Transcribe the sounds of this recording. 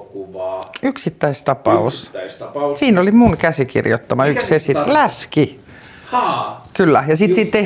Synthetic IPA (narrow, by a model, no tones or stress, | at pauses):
yksit̪ːæist̪ɑpɑuss | siːnolimuŋkæsikḭrjo̰t̪ːɑmɑykkssesit̪læski | kylːæjɑsit̪sit̪ːe